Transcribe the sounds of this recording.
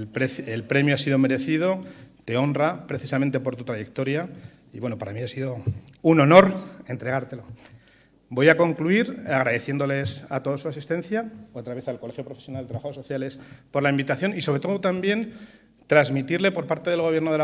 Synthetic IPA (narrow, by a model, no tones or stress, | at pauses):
pɾeθelpɾe̞mjoasiðo̞me̞ɾe̞θið̞o̞t̪e̞o̞nrapɾe̞θisament̪e̞po̞ɾt̪u̥t̪ɾaje̞k̚t̪o̞ɾja | iβwe̞nopaɾamĩasiðo̞uno̞no̞ɾe̞nt̪ɾe̞ɣaɾt̪e̞lo̞ | bo̞jako̞ŋkluiɾaɣɾaðe̞θje̞nd̪o̞le̞sat̪o̞ðosuasist̪e̞nθjao̞t̪ɾaβeθalko̞le̞xjo̞pɾofesjonald̪t̪ɾaβaasoθjale̞spo̞ɾlaimbit̪aθjo̞nisoɾe̞t̪o̞ðot̪ambje̞n | t̪ɾazmit̪iɾle̞po̞ɾpaɾt̪e̞ðelɣ̞o̞βjeɾnoðe